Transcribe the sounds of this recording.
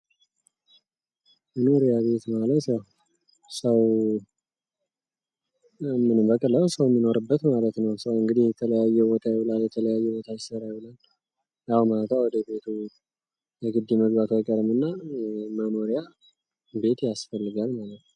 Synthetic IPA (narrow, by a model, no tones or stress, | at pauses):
məno̞ɾijaβe̞t̪malət̪jaw | səw | mɨnɨmbəkʼəlːəwsəwmːino̞ɾɨbːət̪malət̪nəwsəwɨŋɡɨd̪ihjɛt̪ʰələjajːɛbot̪ʰajɛlaljɛt̪ʰələjajːɛbo̞t̪ʰajsəɾajilal | jahmalət̪awɔd̪əbe̞t̪ʰu | jɛɡɨd̪ːiməɡbat̪ʰajkʼəɾɨmɨnːaməno̞ɾija | be̞t̪jasfəlːɨɡalmalət̪nəw